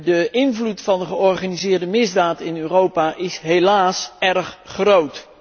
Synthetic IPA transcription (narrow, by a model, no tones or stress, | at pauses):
dəʔɪnvlutfɑndəχəɔɹχaːnizɪːɹdəmɪzdaːtɪnøːrowpaːʔɪsɦelaːsɛrχχrowt